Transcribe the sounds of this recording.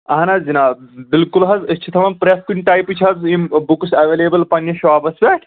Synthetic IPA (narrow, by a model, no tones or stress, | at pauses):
ɐɦɐnazinaːbilkulɦɐzɐt͡ʃʰit̪ʰɐʋɐnpɾeskunʲʈaːjpɨt͡ʃʰɦɐzimbuksɐʋeːleːbəlpɐnjɐʃʋaːbɐsʋʲeːʈʰ